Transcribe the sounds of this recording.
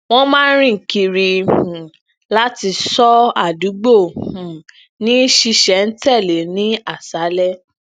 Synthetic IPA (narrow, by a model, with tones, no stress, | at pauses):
w̃ɔ̃˦mãː˦n̩˦ɾĩ˦ŋ̩˨ki˨ɾi˨ũ˨ | la˦ti˧sɔ˦a˦˨du˨˦ɡ͡bo˦˨hũ˨ | nĩ˨˦ʃi˧ʃɛ˨˦n̩˦tɛ˦˨le˨˦nĩ˦a˦˨sa˨˦lɛ˦